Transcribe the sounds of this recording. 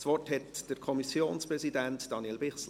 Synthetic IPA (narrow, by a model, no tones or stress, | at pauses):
sʋɔthɛtd̥əɾkʰɔmisjoːnspɾɛsidæntd̥ɑniɛlbɪχsl̩